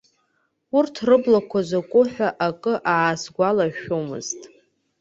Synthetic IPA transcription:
ʊrtʰrɨblakʷʰazakʷʼʊħᶣaʔakʼɨʔaːsɡʷalaʃomɨ̰ztʼ

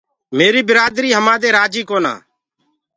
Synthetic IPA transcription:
meːɾiːbɪɾaːd̪ɾiːɦəmaːd̪eːɾaːd͡ʒiːkoːna̰ː

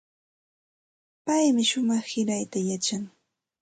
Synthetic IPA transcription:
pajmɪʃʊmɑχhɪɾajt̪ajat͡ʃaŋ

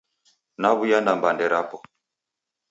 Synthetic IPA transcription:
naβujandambandɛɾapɔ

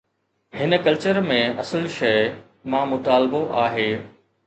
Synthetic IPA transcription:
hɪnəkɐlt͡ɕəɾmẽʔɐsəlʃɐɪ | mãːmʊt̪aːlboʔaːɦeː

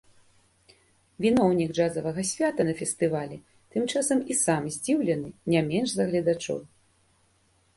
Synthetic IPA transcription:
vʲin̪ɔwnʲiɡd͡ʐazɐvɐɣɐsʲvʲat̪ɐnɐfʲɛst̪ɨvalʲɛ | t̪ɨmt͡ʂasɐmisamzʲd͡zʲiwlʲɛnɨnʲamʲɛnʐzɐɣlʲɐd̪at͡ʂɔ̰w

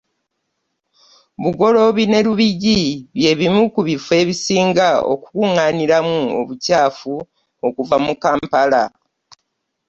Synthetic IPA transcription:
βuɡo̞lo̞βine̞luβiɟiβje̞ːβimukuβifwe̞ːβisiːŋɡao̰ku̥kuŋaːniɾamuo̰βucaːfu | o̞kuvamukaːmpala

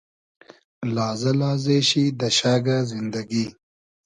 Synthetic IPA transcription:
laːzɐlaːzeːɕid̪ɐʃaːɡazind̪ɐɡi

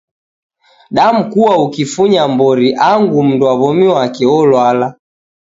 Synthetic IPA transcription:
ɗam̩kuwaukifuɲambɔɾiʔaŋɡum̩ndwaβɔmiwakɛɔlwala

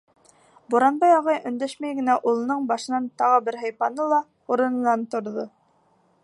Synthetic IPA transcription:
buɾɑnbɑjɑʁɑjʔɵ̆nd̪æʃmæjɡɘ̆næʔulˠɤ̆nɤɴbɑʃɤ̆nɑnt̪ɑʁɤbɘɾɦæ̆jpɑnɤlˠɑ | uɾɤ̆nɤ̆nɑnt̪ŏɾðo

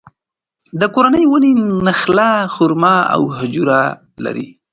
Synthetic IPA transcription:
d̪əkoɾanəjwəninaxlaxʊɾmaa̰wɦʊd͡ʒuɾa | la̰ɾḭ

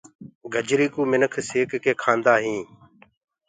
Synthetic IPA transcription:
ɡʱəd͡ʒɾiːkũːmɪnəkʰseːkkeːkʰaːnd̪aːɦĩː

